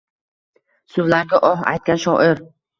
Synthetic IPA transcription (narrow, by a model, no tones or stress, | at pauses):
sʊvlaɾɡʲaʔɒɦa̰jt̪̚kʲanʃɒʔɪɾ